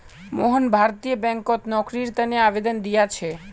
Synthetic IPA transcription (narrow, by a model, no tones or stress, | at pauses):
moɦonbʱaɾt̪ijobɛŋkot̪nɔkɾiɾt̪ɛneabed̪ond̪ijat͡ɕʰe